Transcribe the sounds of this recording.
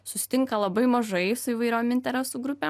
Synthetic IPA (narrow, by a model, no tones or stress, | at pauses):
sʊsʲɪ̥t̪ʲɪŋkɐlˠɐbɐɪmɐʒɐɪsʊiːʋɐɪɾʲoːmɪnʲt̪ʲɛɾʲɛsuːɡɾʊpʲem